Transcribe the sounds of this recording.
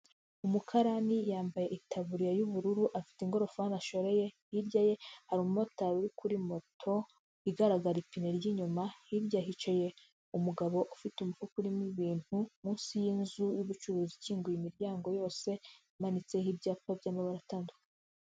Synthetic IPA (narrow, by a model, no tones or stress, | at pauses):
umukʰaɾanijaːmbaje̞ʔitʰaβuɾijajuβuɾuɾuʔafi̥tiŋɡo̞ɾo̞faanaʃo̞ɾe̞je̞ | iɾɟaje̞haɾiumotaɾuɾikʰuɾimo̞tʰo̞ | iɡaɾaɡaɾipineɾjiɲumahiɾjaɦit͡ʃeje̞ | umuɡaβo̞ʔofitumufukuɾimiβiːn̥humuːnsijinzujuβut͡ʃuɾuːziciːŋɡujimiɾjaːŋɡo̞jo̞ːse̞ | manit͡se̞hibɟaːpabjaːmaβaɾataːnduka